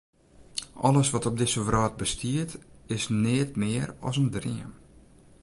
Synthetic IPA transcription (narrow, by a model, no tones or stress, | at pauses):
ʔɔ̰ləsʋɔtɔb̚dɪsəʋrɔːt̚bəstʰiətɪsnɪətmɪəɾɔ̰səndrɪ̰əm